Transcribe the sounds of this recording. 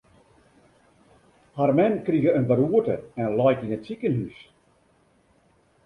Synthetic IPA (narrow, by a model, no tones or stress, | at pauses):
harmɛnkriɣəənbəɾuətəɛnlɔjkinətsikənhys